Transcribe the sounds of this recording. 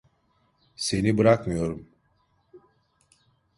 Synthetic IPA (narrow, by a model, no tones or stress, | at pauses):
se̞nibɯɾakmɯjo̞ɾum